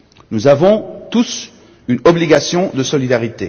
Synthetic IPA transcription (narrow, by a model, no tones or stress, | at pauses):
nuzavɔ̃t̪us | ynɔbliɡasjɔ̃d̪əsɔlid̪aʁit̪e